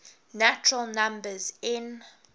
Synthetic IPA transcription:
næt͡ʃəɹəlˠnãmbəzɪ̃n

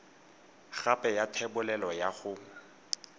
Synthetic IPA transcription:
χapʼɛjatʰɛbʊlɛlɔjaχʊ

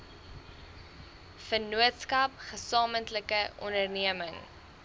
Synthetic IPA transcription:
fənuətskɐpχəsɑːməntləkəʔɔndərniəməŋ

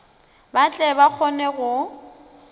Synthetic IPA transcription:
bat͡ɬʼɛbak͡xʰɔnɛɣʊ

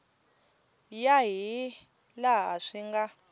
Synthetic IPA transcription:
jaɦi | laɦaʂiŋɡa

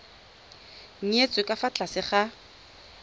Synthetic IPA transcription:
ŋ̩et͡sʼʊkʼafat͡ɬʼasɪχa

